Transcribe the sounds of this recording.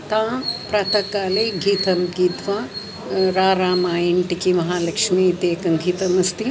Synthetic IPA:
t̪ãːpɾaːt̪ɐkaːleːɡʱiːt̪ɐmɡiːt̪ʋaː | ɾaːɾaːmaːjiɳʈikimɐɦaːlɐkʂmiːt̪eːkɐmɡʱiːt̪ɐmɐst̪i

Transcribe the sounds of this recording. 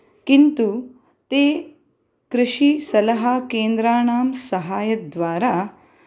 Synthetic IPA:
kint̪u | t̪eː | kɾɪʃisɐlɐɦakeːnd̪ɾaːɳaːmsɐɦaːjɐd̪ʋaːɾa

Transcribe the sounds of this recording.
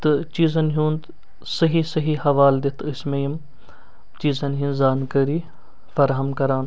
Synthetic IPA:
t̪ɨt͡ʃiːzɐnɦũːnd̪ | sɐɦisɐɦihɐʋaːld̪et̪ʰəsmejim | t͡ʃiːzɐnɦiːnzaːnkəɾiː | fɐɾɦɐmkɐɾaːn

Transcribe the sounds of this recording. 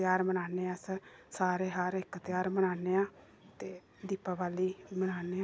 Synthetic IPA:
jaːɾmənaːneːaːsəsaːɾeːɦaɾɪkːət̪ɪjaːɾmənaːneːãː | t̪eː | d̪iːpaːʋaːliːmənaːneːãː

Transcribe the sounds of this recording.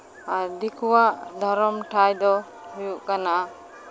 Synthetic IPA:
aɾd̪ikʰuwaʔd̪ʱɔɾɔmʈʰajd̪ɔ | hujuʔkanaʔa

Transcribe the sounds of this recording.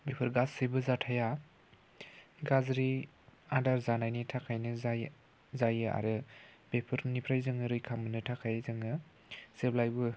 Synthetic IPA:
bepʰɯɾɡasɯjbɯzatʰaja | ɡazɾi | adaɾzanajnitʰakʰajnɯ | zajɯa̰ɾɯbepʰɯɾnipʰɾajzɯŋɯɾɯjkʰamɯnɯtʰakʰajzɯŋɯ | seblajbɯ

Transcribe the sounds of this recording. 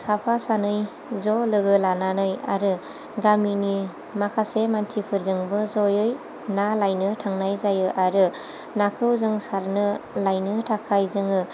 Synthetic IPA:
sapʰasanɯj | zɔlɯɡɯlananɯja̰ɾɯ | ɡamini | makʰasemantʰipʰɯɾzɯŋbɯzɔjɯj | nalajnɯtʰaŋnajzajɯʔaɾɯ | nakʰɯwzɯŋsaɾnɯlajnɯtʰakʰajzɯŋɯ

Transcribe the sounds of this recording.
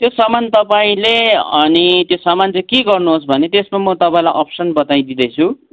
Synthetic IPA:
t̪josʌmant̪ʌpaĩleʌnit̪josʌmant͡sʌ̃keɡʌrnuɦos̬bʱʌnet̪esmamʌt̪ʌpãĩlajʔʌpsʌnbʌt̪aĩd̪id̪ʌjt͡sʰu

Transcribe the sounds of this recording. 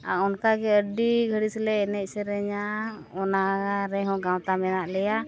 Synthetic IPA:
a̰ɔnkaɡɛəɖiɡʱəɽislɛɛnɛc̚ˀsɛɾɛɲa | ɔnaaɾɛɦɔ̃ɡãwt̪amɛnaʔlɛja

